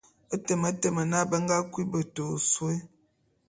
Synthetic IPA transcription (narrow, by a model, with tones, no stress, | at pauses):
ə˦tə˨mə˨˦tə˨mə˨na˦bə˦ŋ˦ɡa˦kwi˦bə˨to˨swe˦